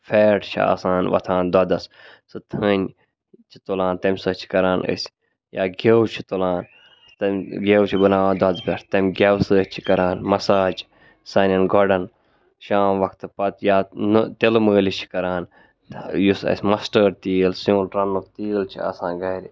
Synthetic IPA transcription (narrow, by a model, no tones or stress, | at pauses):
feːʈt͡ʃʰia̰ːsaːnʋɐ̰t̪ʰãːnd̪ɐd̪ɐssɨt̪ʰənʲ | t͡ʃʰi̥t̪olãːnt̪ɐmʲsɐt͡ʃʰi̥kɐɾaːnə̰sʲ | jaːɡʲewt͡ʃʰi̥t̪olaːn | t̪ɐmɡʲewt͡ʃʰibɐnaːʋːnd̪wɐd̪pʲɐɾt̪ɐmʲɡʲɐwsɨːt͡ʃʰi̥kɐɾaːnmɐsaːt͡ʃʰi̥ | sɐnʲɐnɡɔɖɐn | ʃaːmʋɐkt̪ɨpɐt̪jaːnt̪elməːlit͡ʃʰi̥kɐɾaːn | jusɐ̰sʲmɐsʈəːɾt̪iːlsuːnɾɐnːukt̪iːlt͡ʃʰia̰ːsãːnɡɐːɾʲi